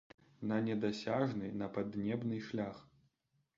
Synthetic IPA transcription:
nɐnʲɛd̪asʲaʐnɨnɐpad̪nʲɛbnɨʂlʲax

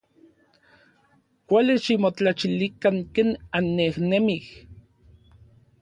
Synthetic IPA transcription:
kʷaliʃimot͡ɬat͡ʃilikaŋkeːnanːehnemih

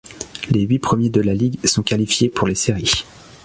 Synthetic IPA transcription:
leɥipχəmjed̪əlaliɡsɔ̃kalifjepuʁleseʁi

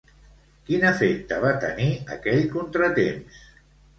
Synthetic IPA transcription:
kinəfek̚t̪əβ̞at̪ə̰niə̰kɛʎkunt̪ɾət̪ems

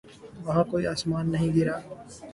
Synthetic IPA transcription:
ʋɐɦãkoːiaːsmaːnːɐɦĩːɡɪɾaː

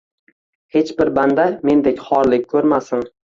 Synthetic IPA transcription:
he̞t͡ʃbɪɾband̪ame̞nd̪ekʲχɒɾlɪk̚ʲkʰɵɾmasɪn

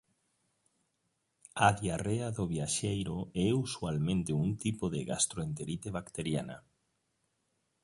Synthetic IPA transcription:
aðjareaðʊβjaʃejɾoɛusualmẽnt̪euŋt̪ipoðeɣa̰st̪ɾoent̪eɾit̪eβakt̪eɾjana̰

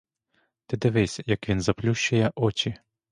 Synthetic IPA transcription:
t̪ɪd̪ɪʋɪsʲjɐkʋʲinzɐplʲuʃt͡ʃɐjɛʔɔt͡ʃi

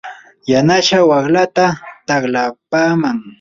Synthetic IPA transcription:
janaʃawɑχlat̪at̪aklapaːmaŋ

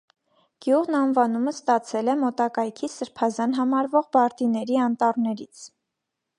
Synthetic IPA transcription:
ɡ̥juʁnɑnvɑnuməst̪ɑt͡sʰɛlɛmɔt̪ɑkɑjkʰisəɾpʰɑzɑnɦɑmɑɾvɔʁbɑɾt̪inɛɾiɑnt̪ɑrnɛɾit͡sʰ

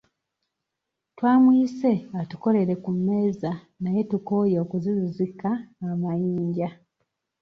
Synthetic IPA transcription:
twaːmwiːse̞atuko̞le̞ɾe̞kumːe̞ːza | naje̞tuko̞ːjeokuzizizikaːmajiːɲɟa

